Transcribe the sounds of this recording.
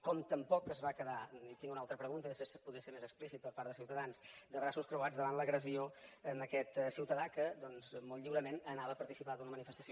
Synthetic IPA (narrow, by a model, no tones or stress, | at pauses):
kɔmt̪əmpɔkəzβakəðait̪iŋɡunalˠt̪ɾəpɾəɣunt̪əiðəspɾespuðɾiəseɾmezəksplisit̪̚pəɾpaɾdðəs̬iwt̪əðansd̪əβɾasuskɾuad͡zðəβanləɣɾəzioənəkɛt̪siwt̪əðakəd̪ɔnzmɔlˠt̪ʎiwɾəmenənaβəpəɾt̪isipaðunəmənifəst̪ə̥sio